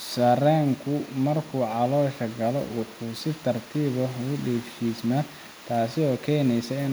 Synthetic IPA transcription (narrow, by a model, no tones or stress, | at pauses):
sɐrɛːŋkʰʊmɐrkʰuːʕɑlɔːʃɐɡɐlɔ̰wɑħuːsɪt̪ʰɐrt̪ʰiːβɐɖiːfʃiːsmɐ | t̪ʰaːsɪɔːkʰɛːnɛjsɐɪn